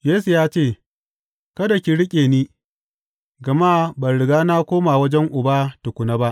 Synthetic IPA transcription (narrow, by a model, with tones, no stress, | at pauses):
jeː˦s̬u˨jaː˦t͡ʃeː˦˨ | kɐ˦da˨kʲi˨ɽɪ˦kʲʼeː˨niː˦ | ɡɐ˨maː˦bɐ˨ɽɪ˨ɡaː˦na˦kʷoː˦maː˨wɐ˦d͡ʒɛ˦ŋʔʊ˨baː˦tʊ˨kʷʊ˨na˦ba˦ʔ